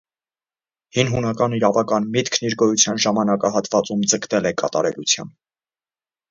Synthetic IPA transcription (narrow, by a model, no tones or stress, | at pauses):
hinɦunɑkɑniɾɑvɑkɑnmit̪kʰniɾɡɔjut͡sʰjɑnʒɑmɑnɑkɑɦɑt̪vɑt͡sumd͡zəkt̪ɛlɛkɑt̪ɑɾɛlut͡sʰjɑ̰n